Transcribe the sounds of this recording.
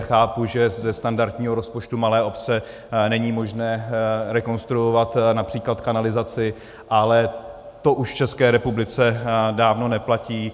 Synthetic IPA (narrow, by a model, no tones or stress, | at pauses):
xaːpuʒɛzɛst̪andaɾt̪ɲiːɦo̞ɾo̞spo̞t͡ʃt̪umalɛːʔo̞pt͡sɛ | nɛɲiːmo̞ʒnɛːɾɛko̞nst̪ɾuovat̪napr̝̥iːklat̪kanalɪzat͡sɪ | ʔalɛ | t̪o̞ʔuʃft͡ʃɛskɛːɾɛpublɪt͡sɛdaːvno̞nɛplaciː